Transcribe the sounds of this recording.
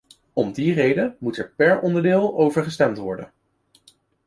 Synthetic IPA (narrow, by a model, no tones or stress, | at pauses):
ɔmdirejdəmutɛɹpɛɹɔndəɹdɪːlˠowvəɹχəstɛmtʋɔɹdə̰n